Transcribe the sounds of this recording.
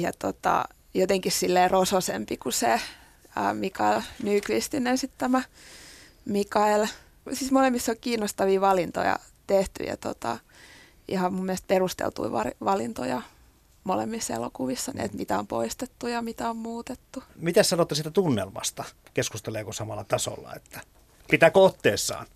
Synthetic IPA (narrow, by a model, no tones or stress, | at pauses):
jɑt̪ot̪ɑ̰ | jot̪eŋkissilːeːrososḛmpikuse | ə̰ːmikɑelnykʋist̪inensit̪t̪æmæ | mikɑel | siːsmolemːisːokiːnːost̪ɑʋiːʋɑlint̪o̰jɑ̰ | t̪eht̪y̰jɑ̰t̪o̰t̪ɑ̰ | ḭhɑmmumːielest̪̚perust̪ḛlt̪ṵiʋɑrʋɑlint̪ojɑ | molḛmːisːḛlo̰kuʋisːɑnḭḛt̪mit̪æompo̰ist̪et̪ːujɑmit̪æommuːt̪et̪ːumit̪æssɑnot̪ːɑsiːt̪æt̪unːḛlmɑ̰st̪ɑkeskust̪eleːkosɑmɑlːɑt̪ɑso̰lːɑ̰et̪ːæ̥ | pit̪æːkoot̪ːeːsːɑ̰ːn